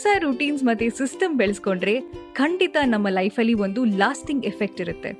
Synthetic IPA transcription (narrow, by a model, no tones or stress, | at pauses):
sɐɾuʈiːns̬mɐt̪ːesisʈɐmbeɭɐskoɳɖɾe̞kʰɐɳɖit̪ɐnɐmːɐlɐjpʰɐlːiʋo̞nd̪ulaːsʈiŋɡefʰek̚ʈiɾut̪ːe̞̰